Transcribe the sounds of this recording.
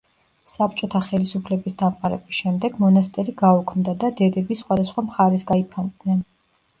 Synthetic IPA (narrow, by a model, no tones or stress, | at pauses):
sap̚t͡ʃʼɔt̪ʰaχɛlisupʰlɛbisd̪amqʼaɾɛ̰bisʃɛmd̪ɛɡmɔnast̪ʼɛɾiɡaukʰmd̪ad̪ad̪ɛd̪ɛbisχwad̪asχwamχaɾɛsɡaipʰand̪nɛn